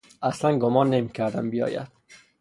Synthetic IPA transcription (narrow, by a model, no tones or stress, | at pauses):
æslænɡomɒnːemikʰæɾd̪æmbijɒ̰ːjæ̰d̪̥